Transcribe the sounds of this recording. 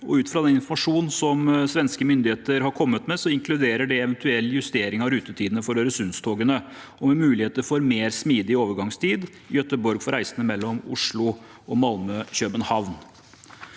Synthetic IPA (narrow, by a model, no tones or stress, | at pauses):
ɔ̰ʉːt̪fɾɑd̪ɛnɪnfɔmɑʂuːnn̩sɔmsʋɛnskəmʏnd̪ɪheːt̪əɾhɑɾkʰɔmːət̪mɛsɔɪŋklʉd̪eːɾəɖɛɛʋɛnt̪ʰʉɛlːjʉst̪eːɾɪŋɑɾʉːt̪ət̪ʰiːd̪n̩əfɔɾøːɾəsʉnst̪ʰoːɡənə | ʔɔmɛmʉːlɪheːt̪əɾfɔɾmeːɾsmiːd̪ɪoːʋəɾɡɑŋst̪ʰiːd̪ | jœt̪əbɔɾɡfɔɾæɪsənəmɛlːɔmʊ̰ʂɭʊ | ʔɔmɑlməɕøːbənhɑʋn